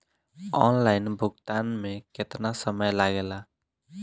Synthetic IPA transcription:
ɔnlajnbʱʊɡt̪anmeket̪nasəməjlaɡela

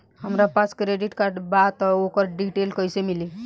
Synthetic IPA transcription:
həmɾapaskɾeɖiʈkaɾɖbat̪ɔokəɾɖiʈelkəjsemili

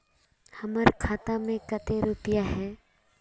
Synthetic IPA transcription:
hɐməɾkʰaːt̪amẽkɐt̪eɾupɪjaɦɛː

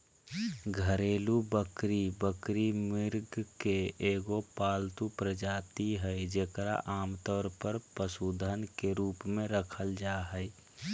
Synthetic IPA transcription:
ɡʱəɾeːlubəkɾibəkɾimɪɾɡkeeːɡopaːlt̪upɾəd͡ʒaːt̪iɦɛid͡ʒeːkɾa̰ʔaːmt̪ɔːɾpəɾpəsuːd̪ʱənkeɾuːpmẽɾəkʰəld͡ʒaɦəi

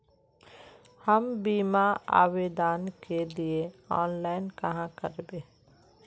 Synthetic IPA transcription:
həmbiːmaa̰ːʋeːd̪aːnkelieɔːnlaːɪnkɐɦãkəɾbeː

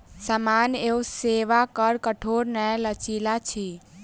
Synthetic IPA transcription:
səmaneuseʋakəɾkəʈʰoɾnɛlət͡ʃilat͡ʃʰi

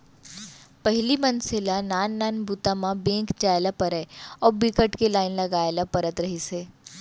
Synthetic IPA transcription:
pɐɦlimɐnsɪlanaːnːaːnbut̪amãbẽːkd͡ʒaːjlapɐɾɛɔːɾbikəʈkelaːɪnlɐɡaːelapɐɾət̪ɾɐɦiseː

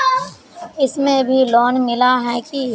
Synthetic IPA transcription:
ɪsmẽbʱilɔːnmɪlaɦɛki

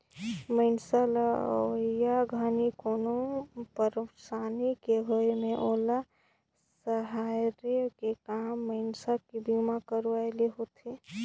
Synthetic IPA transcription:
məɪnsalaojaɡʱanikoːnopəɾsaːnikeɦoemẽʔoːla | səɦaɾekekaːmːəɪnsakibimakəɾʋaeleɦot̪ʰe

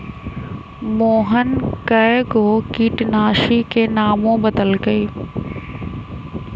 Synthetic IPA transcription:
moːɦənkɐɪɡoːkiːʈnaːʃikeːnaːmõbɐd̪əlɡɐiː

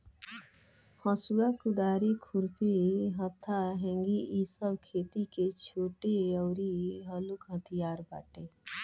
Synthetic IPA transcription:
hə̃suakʊd̪aːɾekʰʊɾpiɦə̃t̪ʰːaɦɛ̃ŋɡiʔisəbkʰeːt̪iket͡ʃʰoːʈeɔʊɾiɦəlukɦət̪ʰijaːɾba̰ːʈe

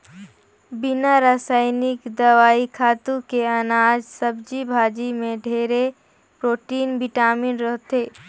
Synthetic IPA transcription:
bɪnaɾaːsaːɪnɪkd̪ɐʋaːikʰaːt̪ũkeɐnaːd͡ʒsəbd͡ʒibʱaːd͡ʒimẽɖʱeːɾe | pɾoːʈiːnbɪʈaːmɪnɾəɦt̪eː

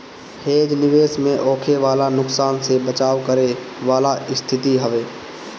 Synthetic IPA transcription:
heːd͡ʒnɪʋeːsmẽʔɔːkʰeʋaːlanʊksaːnsebət͡ʃaːʋkəɾeʋaːlaɪst̪ʰɪt̪iɦəʋeː

